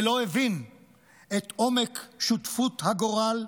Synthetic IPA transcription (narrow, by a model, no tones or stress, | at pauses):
lo̞evin | et̪ʔo̞mekʃut̪fut̪haɡoʁal